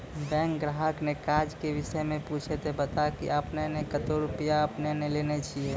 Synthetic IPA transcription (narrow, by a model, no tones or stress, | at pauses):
bɛ̃ŋkɡɾaɦəknekaɾd͡ʒkeʋɪsəjmẽput͡ʃʰet̪ebət̪akḭəpnenekət̪oɾupijaəpnenelenet͡ʃʰie